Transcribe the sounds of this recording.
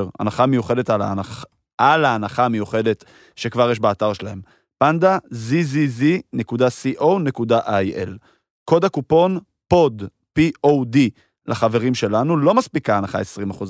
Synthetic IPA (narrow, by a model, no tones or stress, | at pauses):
ʁa̰naχamejuχe̞de̞talaa | alaːnaχamejuχe̞de̞t | ʃekvaʁjeʃ̬baːtaʁʃelahe̞m | pandazizizine̞kudasiʔo̞wne̞kudaʔajʔel | ko̞dakupo̞n | po̞d | piʔowdi | lʔaχave̞ʁimʃe̞lanulo̞maspikaːnaχa̰e̞sʁimaχuz